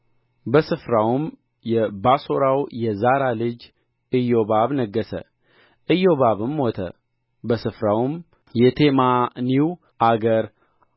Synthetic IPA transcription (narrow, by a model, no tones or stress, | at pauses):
bəsɨfɾawm | jɛbaso̞ɾawjɛzaɾalɨd͡ʒ | ɨjo̞baβnəɡːəsə̰ | ʔɨjːo̞βaβɨmwɔt̪ʰə̰ | bəsɨfɾawm | jɛt̪ʰemaniw | ʔaɡəɾ